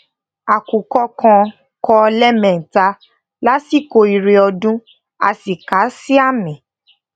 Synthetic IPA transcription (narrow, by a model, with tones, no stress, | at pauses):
a˨ku˨kɔ˦kã˧ | kɔ˧lɛ˦mɛ̃˨n̩˨ta˧ | la˦si˦˨ko˧i˨˧ɾe˧ɔ˧dũ˦ | a̰˧si˨ka˨˦si˦a˦˨mĩ˨